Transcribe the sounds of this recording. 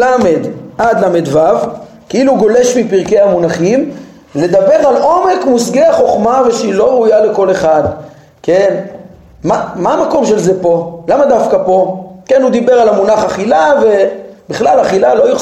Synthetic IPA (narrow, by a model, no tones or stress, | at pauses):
amed̪ad̪lamed̪vav | keiluɡo̞le̞ʃmipiʁke̞amunaχim | le̞d̪abe̞ʁalo̞me̞kmusɡeaχo̞χmave̞ʃeilo̞ʁujale̞ko̞le̞χad̪ | ken | mamaːmako̞mʃe̞lze̞po̞lamad̪afkapo̞ke̞nud̪ibe̞ʁalamunaχaχilave̞biχlalaχilalo̞ju